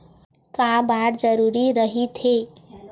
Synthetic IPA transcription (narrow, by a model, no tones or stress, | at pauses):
kabaɾd͡ʒəɾuːɾiɾəɦit̪ʰe